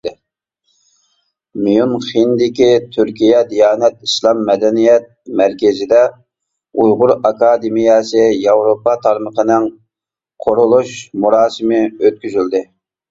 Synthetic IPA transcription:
mijunχind̪ɪkʲit̪ʰyɾkʲijɛd̪ijɑːnɛt̪iʃlˠɑmːɛd̪ɛnijɛt̪̚mæɾkʲɛzɪd̪ɛ | ujʁʊɾɑkɑːd̪ɪmijɑsɨjɑwɾopɑt̪ʰɑɾməqənɪŋ | qʰoɾʊlˠuʃmuɾɑːsɨmɪøt̪̚kʲyzyld̪ɪ

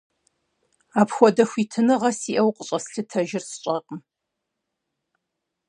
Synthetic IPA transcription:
aːpxʷɔdɐxʷiːtʰɨnɨʁɐsiʔɐwqʷʼəɕʼɐsɬɨtʰɐʒɪrsɨɕʼɐqʼəm

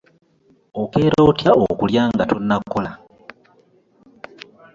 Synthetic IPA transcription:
okeːɾoːtjaokuljaːŋɡatunːakʰːola

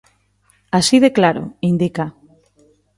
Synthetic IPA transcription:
asiðeklaɾo̰ind̪ika

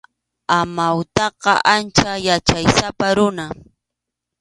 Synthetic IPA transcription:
amawt̪ɑqɑʔant͡ʃajat͡ʃajsapaɾʊna

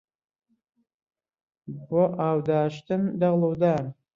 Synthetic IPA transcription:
bɔʔaːwd̪aːʃtʰɨmdɐʁlɐwd̪aː

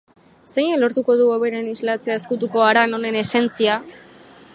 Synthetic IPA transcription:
sejelo̞ɾt̪uko̞ðuoβe̞ɾe̞nizlat͡seae̞skut̪̬uko̞aɾano̞ne̞ne̞se̞nt͡sia

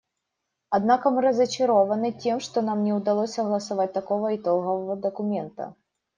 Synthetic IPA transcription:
ad̪nakɐmɨɾɐzɐt͡ʃɐɾɔvɐnɨtʲɛmʂt̪ɔnamnʲɛwd̪alˠɔsʲɐɣlˠɐsavat̚ʲt̪akɔvɐit̪ɔlˠɣɔvɐvɐd̪ɐkʊmʲɛnt̪ɐ̰

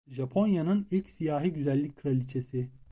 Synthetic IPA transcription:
ʒapʰo̞njanɯnilʲcsijaːɦiɟyzælʲːic̚ʲkʰːɯɾalʲit͡ʃʰesi

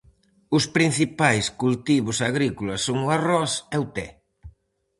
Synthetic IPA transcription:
ʊspɾin̟θipajskult̪iβʊsaɣɾikulasːoŋʊarɔsɛʊt̪ɛ

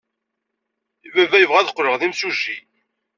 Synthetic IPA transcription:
əvævæjəvʁæðəqːɾəʁðimsuʒi

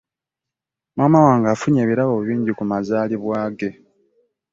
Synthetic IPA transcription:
mwaːmawaːŋɡaːfuɲeːβiɾaβo̞βiːɲɟikumazaːliβwaːɡe̞

